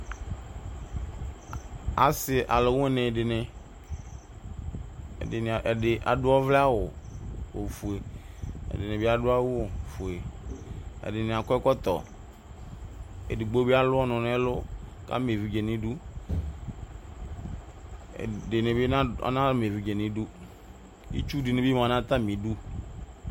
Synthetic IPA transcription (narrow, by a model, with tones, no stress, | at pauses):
a̰˨sɪ˨ʔa˨lo˨wũ˦e˦nẽ˨de˨nẽ˨ | e˨n˨ʔɖɪ˨ʔa̰˨ɖʊ˦ɔ˦vlɛ˦a˦wo˨wo˨fu˨e˨ | ḛ˨de˨nẽ˨be˦a˦dʊ˦a˦wu˦wo˨fu˨e˨ | ḛ˨dɪ˨nẽ˨a˨kɔ˦ɛ˦kɔ˦t̪ɔ˨ | ḛ˨di˨ɡ͡bo˦be˦a˦lʊ˦ɔ˦nɔ̃˨nɛ̃˦lo˦ka̰˦me˨vi˨d͡ʒe˨nĩ˦du˦˨ | de˨ne˨be˦nã˦a̰˦nã˦lme˨vi˨d͡ʒe˨nĩ˨du˦ | ḭ˦t͡ʃu˦di˨nẽ˨bi˦m˨ã˨nã˦t̪a˦mĩ˨du˦